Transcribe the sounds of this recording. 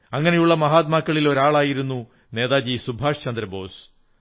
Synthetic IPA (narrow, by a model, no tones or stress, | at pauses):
ɐŋːɐnejuɭːɐmɐɦaːt̪maːkːɐɭilo̞ɾaːɭaːjiɾunːu | ne̞ːðaːd͡ʑisubʱaːʂt͡ɕɐnd̪ɾɐbo̞̰ːs